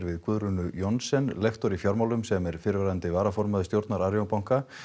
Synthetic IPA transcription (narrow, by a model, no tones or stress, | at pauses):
ɾvɪðkʰvʏðɾʏnʏjɔnsɛnlext̪ɔɾifjawɾmawlʏmsɛmɛɾ̥fɪːɾɪvɾaðant̪ɪvaːɾafɔɾmaðʏst̪jowɾt̪naɾaɾjowpawŋ̥ka